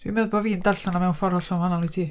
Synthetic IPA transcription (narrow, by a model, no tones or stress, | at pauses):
d̥wimɛðbɔviːndaɬanamɛwnfɔɾɔɬɔmhanalˠitʰiː